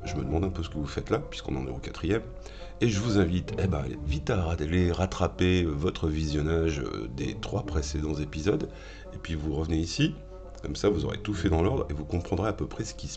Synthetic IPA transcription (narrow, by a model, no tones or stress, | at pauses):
ʒəməd̪əmɑ̃d̪ɛ̃pøsə̥kəvufɛt̪lapɥi̥skɔ̃ñ̰neokat̪χijɛm | eʒəvuzɛ̃vit̪ɛba̰vit̪aʁaleʁat̪χapeøvɔt̪χəvizjɔnaʒø̰d̪ḛt̪χwapχesed̪ɑ̃zepizɔd̪ | epɥivuʁəvəneisi | kɔmsavuzɔ̰ʁḛt̪ufɛd̪ɑ̃lɔʁd̪ʁevukɔ̃pχɑ̃d̪ʁeapøpχɛsə̥kʲis